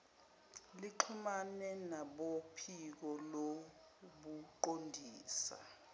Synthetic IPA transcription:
liǃʰumanɛnaɓopʰik̬ɔlo | ɓuǃondʱiːsa̰

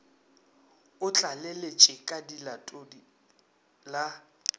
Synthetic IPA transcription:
ʊt͡ɬʼalelet͡ʃʼɪkʼadilatʼodi | la

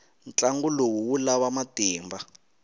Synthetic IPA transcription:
nt͡ɬaŋɡulowuwulawamatiːmba

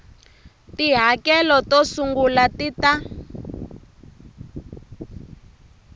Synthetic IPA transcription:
tiɦakɛlɔtɔsuŋɡulatita

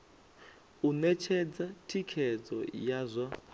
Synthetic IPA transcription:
unɛt͡ʃʰɛd͡zatʰikʰɛd͡zɔ̰jazʷa

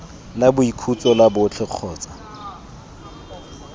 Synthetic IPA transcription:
labʊikʰut͡sʼɔlabʊt͡ɬʰɪq͡χʰɔːt͡sḁ

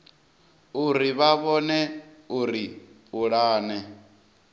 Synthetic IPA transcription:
uɾiβaβɔnɛuɾi | uɺaːnɛ

